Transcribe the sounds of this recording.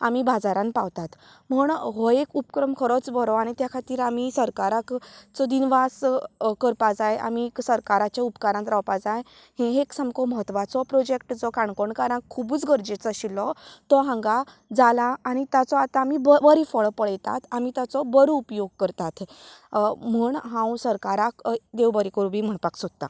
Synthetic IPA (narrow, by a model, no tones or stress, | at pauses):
amibad͡zaɾãnpaʋt̪at̪ | m̤uɳɦɔekupkɾəmkʰəɾɔt͡sbəɾɔaɽ̃it̪jakʰat̪iːɾamisəɾkaɾakt͡sɔd̪inʋaskəɾpad͡zaja̰miksəɾkaɾat͡ɕjaupkaɾãnt̪ɾawpad͡zaj | hẽɦeksəmkɔməɦət̪ːʋat͡sɔpɾod͡ʑek̚ʈd͡zɔkaɳkoɳkaɾãkkʰːubuːt͡sɡʱəɾd͡ʑet͡sɔɕilɔt̪ɔɦãŋɡa | d͡zalaːɽ̃it̪at͡sɔat̪ãːmibbəɾifɔɭpəɭjt̪a̰t̪ʰamit̪jat͡sɔbəɾuupjoɡ̚kəɾt̪at̪ʰ | m̤uːɳɦãwsəɾkaɾakd̪ewbəɾikəɾubʱiːm̤əɳpaksod̪̚t̪a̰